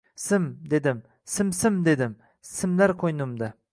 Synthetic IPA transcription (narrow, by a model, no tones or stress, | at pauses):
sɪmd̪e̞d̪ɪm | sɪmsɪmd̪e̞d̪ɪm | sɪmlaɾqʰojnʊmd̪a